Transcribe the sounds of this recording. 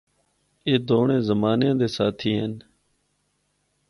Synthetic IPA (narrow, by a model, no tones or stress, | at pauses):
eːd̪oːɳẽːzəmaːnjãːd̪eːsaːt̪ʰiːɦən